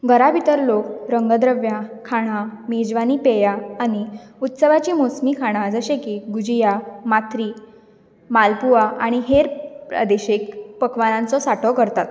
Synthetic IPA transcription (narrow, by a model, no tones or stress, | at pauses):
ɡʱəɾabʱit̪əɾlokɾəŋɡəd̪ɾəʋjakʰaɽ̃amed͡ʑʋaniːpejaːɽ̃iut̪səʋat͡ɕiːmosmiːkʰaɽ̃ad͡zəɕekiɡud͡ʑijamat̪ʰɾiː | malpuaʔaɽ̃iɦeɾpɾa̰d̪eɕekpəkʰʋanãnt͡sɔsaʈʰɔkəɾt̪at̪